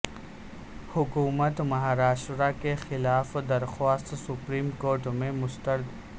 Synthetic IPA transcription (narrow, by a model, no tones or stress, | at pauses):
hʊkuːmət̪mɐɦaːɾaːʃɾakexɪlaːfd̪ɐɾxaːst̪sʊpɾiːmkoːɾʈmẽmʊst̪əɾd̪